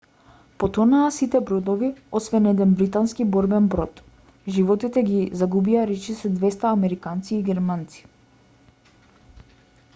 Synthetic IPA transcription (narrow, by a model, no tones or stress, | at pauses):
pɔt̪ɔnaːsit̪ɛbɾɔd̪ɔviɔsvɛnɛd̪ɛnbɾit̪anskibɔɾbɛnbɾɔt̪ | ʒivɔt̪it̪ɛɡizaɡubiaɾɛt͡ʃisɛd̪vɛst̪aːmɛɾikant̪siːɡʲɛɾmant̪si̥